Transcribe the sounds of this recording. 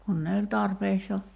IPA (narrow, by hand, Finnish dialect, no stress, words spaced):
kun ne olʲ tɑrpeːks jo